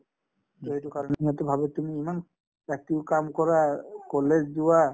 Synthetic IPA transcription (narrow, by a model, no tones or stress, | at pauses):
d͡ʒoɦitukaɾoneiɦɔt̪obʱabet̪umiiman | ɛk̚tiwkamkɔɾakɔlːed͡ʑd̪uwa